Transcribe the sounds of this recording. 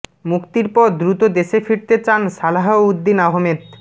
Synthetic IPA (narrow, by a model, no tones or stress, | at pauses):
mukt̪iɾpɔd̪ɾut̪od̪eʃefiɽt̪et͡ɕanʃalaɦoud̪ːinaɦmed̪